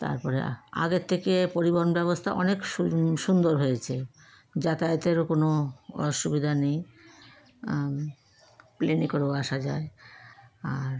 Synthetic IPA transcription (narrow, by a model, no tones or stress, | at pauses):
t̪a̰ɾpɔɾea̰ɡet̪ʰːekepoɾiboɾnbɛbost̪ʰaʔɔnekʃund̪oɾɦojet͡ɕʰe | d͡ʑat̪ajot̪eɾokonoʃubid̪ʱanej | plenikoɾeaʃad͡ʑae | aɾ